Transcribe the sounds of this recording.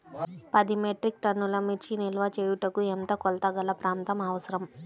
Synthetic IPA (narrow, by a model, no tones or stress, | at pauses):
pɐd̪imeʈɾik̚ʈɐnːulɐmit͡ʃːinilʋɐt͡ʃeːjuʈɐkuent̪ɐkɔlt̪ɐɡɐlɐpɾaːnt̪ɐmɐʋɐsɐɾɐm